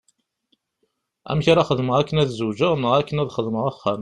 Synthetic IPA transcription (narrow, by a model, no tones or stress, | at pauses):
æ̰mçaɾaχəðməʁækːənæðzuwd͡ʒəʁnːəʁækːənæðχəðməʁæχːæn